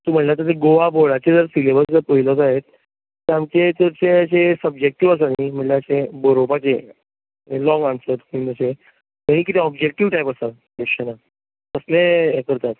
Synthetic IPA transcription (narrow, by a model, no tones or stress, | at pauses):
t̪uːm̤əʈlat̪əɾt̪eɡoʋaboɭat͡ɕed͡zəɾsilebəɾd͡zəɾpəɦilɔt͡saɦet̪̚ | t̪iamt͡ɕet͡səɾt͡seaɕesəbd͡ʑek̚ʈiʋəs̬anim̤əʈlaasebəɾopat͡ɕe | lɔŋɡansət̪kind͡zəse | kəɽ̃ĩkit̪ʰeɔbd͡ʑek̚ʈiʋʈajpəsa | dəkɕəna | əslekəɾt̪at̪